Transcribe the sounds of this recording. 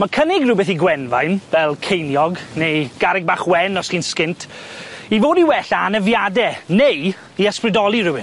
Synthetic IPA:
makʰənɪɡrɪbɛθiɡwɛnva̰jnvɛlˠkʰejnjɔɡnejɡ̥aɾɪɡ̚baːχwɛnɔsχiːnskɪntʰivoːdiwɛɬaːnəvjadɛnej | iəsprɪdɔlˠirʊwɪn

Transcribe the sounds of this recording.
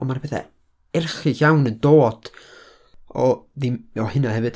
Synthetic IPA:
ɔmanbɛθɛ̰ | ɛrχɨçawnəndoːd̥ | ɔðimɔhɨnahɛvɨd̥

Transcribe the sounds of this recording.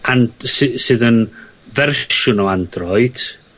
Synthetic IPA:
ansɨsɨːðən | vɛrʃʊnowand̥rɔɨd̥

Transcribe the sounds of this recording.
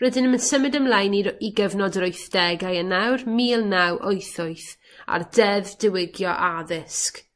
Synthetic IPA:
rɛdɪnəmənsəmɨdəmlˠajniiɡəvnɔdəɾʊɨθd̥ɛɡajənawrmiːlˠnawʔojθʊɨθ | a̰rdɛðd̥ɪwɪɡjɔʔaðɪsk

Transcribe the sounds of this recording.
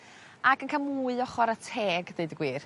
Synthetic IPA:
akənkʰamuːɨɔχɔɾatʰeːɡdejdɡwiːr

